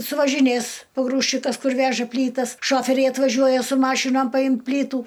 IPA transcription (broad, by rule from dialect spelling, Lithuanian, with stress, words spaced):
sʊʋɐʒʲɪˈnʲeːs poːˈɡruːʃʲt͡ʃʲɪkɐs ˈkʊr ˈʋʲæːʒɐ ˈpʲlʲiːtɐs ˈʃoːfʲɛrʲɛɪ ɐtʋɐˈʒʲuɔjɛ sʊ ˈmɑːʃʲɪnoːm pɐˈjɪm ˈpʲlʲiːtuː